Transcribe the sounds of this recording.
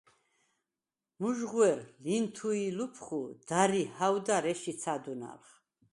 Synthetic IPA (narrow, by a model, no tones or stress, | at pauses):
muʒʁwɛɾlint̪ʰuilupʰχud̪̥aɾihawd̪aɾɛʃit̪sʰad̪una̰lχ